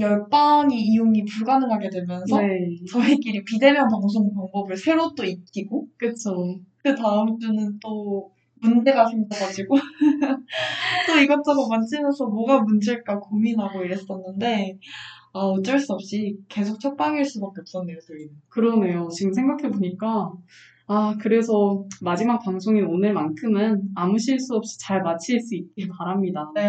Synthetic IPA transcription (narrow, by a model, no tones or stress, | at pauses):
jʌɭp͈aŋiːjuŋipuɭɡanɯŋɦaɡe̞dwe̞mjʌnsʰʌt͡ɕʌik͈iɾipide̞mjʌnpaŋs̬ʰoŋpaŋbʌbɯɭsʰe̞ɾot͈oit̚k͈iɡokɯt͡ɕʰokɯtaɯmd͡ʑunɯnt͈o | mund͡ʑe̞ɡaɕʰimdaɡad͡ʑiɡo | t͈oiɡʌt͈aɡomant͡ɕ͈ɯmjʌnsʰʌmwʌɡamund͡ʑeɭk͈akominɦaɡoiɾɦe̞s͈ʌnːɯnde̞ | aot͡ɕ͈ʌɭs͈uʌp̚ɕ͈ike̞sʰok̚t͡ɕʰʌk̚p͈aŋiɭs͈ubak͈̚eʌp̚t͈ʌneɭs͈oinkɯɾʌne̞jot͡ɕiɡɯmsʰe̞ŋɡakʰeboɲik͈a | akɯɾe̞sʰʌmad͡ʑimak̚paŋsʰoŋionɯɭmankʰɯmɯnamuɕʰiɭs͈uʌp̚ɕ͈i̥t͡ɕaɭmat͡ɕʰiɭs͈uit̚k͈ipaɾamɲida